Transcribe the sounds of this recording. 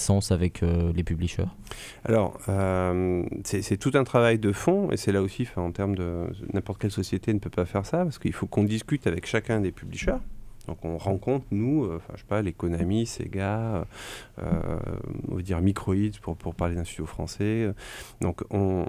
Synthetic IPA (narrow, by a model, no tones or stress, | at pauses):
sɑ̃savɛkʰølepybliʃœ̰ʁ | a̰lɔ̰ʁø | sɛsɛt̪ut̪ɛ̃t̪χavajd̪əfɔ̃ḛsɛlaosiɑ̃fɛ̃ɑ̃t̪ɛʁmd̪ənʔɛ̃pɔʁt̪əkʲɛlsɔsjet̪enəpøpafɛʁsapaʁsə̥kəilfokɔ̃d̪iskʲyt̪avɛkʃakʲɛ̃d̪epybliʃœʁd̪̥ɔ̃kɔ̃ʁɑ̃kɔ̃t̪χənuøɑ̃fɛ̰̃ʒ̥e̥palekɔnamisḛɡaø̰ø̰ | ɔ̰̃vad̪iʁmikχɔid̪puʁpʰuʁpaʁled̪ɛ̃st̪yd̪jofχɑ̰̃sɛød̪ɔ̃kɔ̃